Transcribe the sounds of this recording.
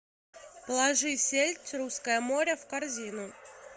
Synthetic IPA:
plˠɐʐɨsʲelʲtʲruskəjəmo̞ɾʲəfkɐrzʲinʊ

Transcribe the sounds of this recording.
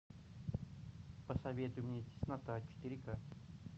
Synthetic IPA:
pəsɐvʲet̪ʊjmnʲet̪ʲɪ̥snat̪at͡ɕɪ̥t̪ɪɾʲika

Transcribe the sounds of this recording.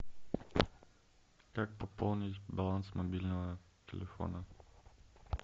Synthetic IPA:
kak̚popɔlˠnit̪balˠansmobilʲnov | t̪ɛ̰lɛfɔ̰nə

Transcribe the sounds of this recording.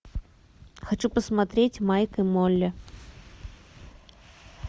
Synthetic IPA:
xat͡ʃupəsmat̪ɾʲet͡sʲmajkɐjmɔlʲːɐ

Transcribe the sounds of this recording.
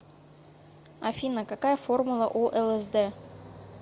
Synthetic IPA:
ɐfʲinəkakɑjəformulˠəʔuʔelˠĕzd̪ɘ

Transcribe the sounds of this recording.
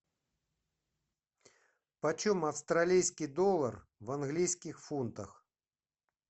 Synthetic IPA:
pɐt͡ʃɔmɐwst̪ɾalʲijsʲkʲid̪ɔlˠɐr | vɐnɣlʲijsʲkʲixfunt̪ɐ̰x

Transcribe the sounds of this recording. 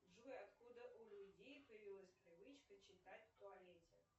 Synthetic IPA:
ʐujat̪kud̪ɐʔulʲud͡zʲejpɨjəvʲilˠəsʲpɾɨvɨt͡ʃkət͡ʃɪt̪atʲt̪ʊalʲɛtʲɛ

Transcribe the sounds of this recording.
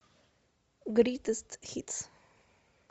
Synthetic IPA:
ɡɾiːt̪əst̪hit̪s

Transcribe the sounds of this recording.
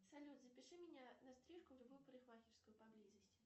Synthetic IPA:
salʲud̪zɐpʲiʂɨmʲinʲanɐst̪ɾʲiʂkʊrɨvɨwpɾɨixmaxʲɪrskʊjʊpablʲizɐsʲ

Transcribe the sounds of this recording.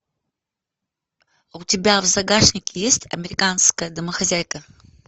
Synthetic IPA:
utʲɪbʲavzaɡaʂnʲɪkʲʰɪjesʲtʲɐ̰mʲeɾʲɪkanskəjəd̪ɐməxazʲajkə

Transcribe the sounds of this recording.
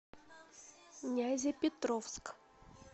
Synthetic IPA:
nʲazʲɪpʲɪt̪ɾofsk

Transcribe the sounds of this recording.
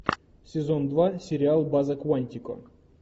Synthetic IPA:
sʲezond̪vasʲeɾʲɪalˠbazəkwanʲt̪ʲiko̰

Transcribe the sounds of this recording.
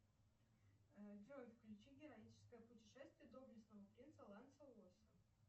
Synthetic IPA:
vʲɾojʲfklʲʉt͡ɕiɡʲɪɾɐit͡ɕɪ̥skəjəpʊtʲɪʂɛst̪vʲɪjəd̪oblʲɪsnəvəpɾʲinsəlˠant̪səlˠosə

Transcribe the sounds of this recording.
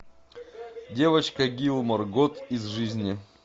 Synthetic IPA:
dʲe̞vət͡ɕkɐɡʲilˠmɐrɡot̪izʐɨzʲnʲɪ

